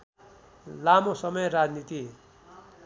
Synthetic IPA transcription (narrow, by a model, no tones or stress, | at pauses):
lamosʌmʌjrad͡znit̪i